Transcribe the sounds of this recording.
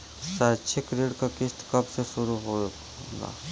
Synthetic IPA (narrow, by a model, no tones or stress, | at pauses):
sat͡ʃʰekɾeːɽkakɪst̪kɐbseʃʊɾuɦo | ɡa̰ː